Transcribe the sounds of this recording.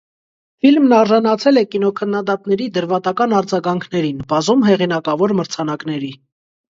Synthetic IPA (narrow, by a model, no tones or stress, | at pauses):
filmnɑɾʒɑnɑt͡sʰɛlɛkinɔkʰənːɑd̪ɑt̪nɛɾid̪əɾvɑt̪ɑkɑnɑɾd͡zɑɡɑŋkʰnɛɾinbɑzumɦɛʁinɑkɑvɔɾməɾt͡sʰɑnɑknɛɾi